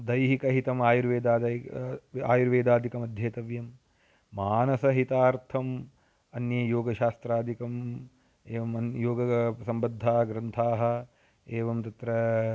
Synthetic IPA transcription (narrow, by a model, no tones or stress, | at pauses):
d̪ɐjɦikɐɦit̪ɐmaːjuɾʋeːd̪aːd̪ | aːjuɾʋeːd̪aːd̪ʱikɐmɐd̪ʱjeːt̪ɐʋjɐmː | aːnɐsɐɦit̪aːɾt̪ʰɐm | ɐnjɐjoːɡɐʃaːst̪ɾaːd̪ʱikɐm | eːʋɐmɐjoːɡɐsɐmbɐd̪ʱːaːɦɐɡɾɐnt̪ʰaːɦɐ̆ | eːʋɐmt̪ɐt̪ɾɐ